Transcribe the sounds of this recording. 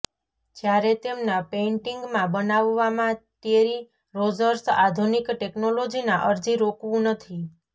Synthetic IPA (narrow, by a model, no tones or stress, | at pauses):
d͡ʒjaɾet̪emnapeɳʈiŋɡmãbənaʋːamãt̪eɾi | ɾod͡ʒəɾsad̪ʱunikʈeknolod͡ʒinaʔəɾd͡ʒiɾokʋũnət̪ʰi